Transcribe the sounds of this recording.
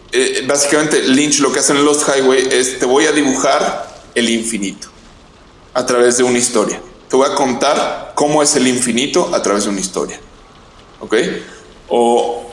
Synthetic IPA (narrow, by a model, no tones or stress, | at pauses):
ebasi̥kament̪e̞lint͡ʃlo̞ke̞ase̞nlosxajweje̞st̪e̞βo̞jaðiβuxaɾe̞liɱfinit̪o̥ | at̪ɾaβe̞zðe̞unaist̪o̞ɾjat̪eβo̞jako̞nt̪aɾko̞mo̞e̞se̞liɱfinit̪o̞ʔat̪ɾaβe̞zðeunaist̪o̞̰ɾja | o̞ke̞j | o